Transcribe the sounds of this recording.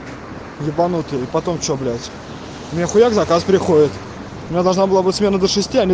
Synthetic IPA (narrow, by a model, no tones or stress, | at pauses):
jɪbɐnut̪ɨipɐt̪omt͡ɕoblʲætʲ | ʊmʲɪnʲaxʊjaɡzɐkaspɾʲɪxodʲɪt̪ | ʊmʲɪnʲad̪ɐlˠʐnabɨlˠabɨtʲsmʲe̞nəd̪əʂɨsʲtʲiɐnʲi